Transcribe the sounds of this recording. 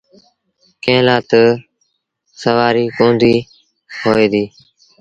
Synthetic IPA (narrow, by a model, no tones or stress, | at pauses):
kẽːlaːt̪ | səʋaːɾiːkõːnd̪iː | hoːeːd̪iː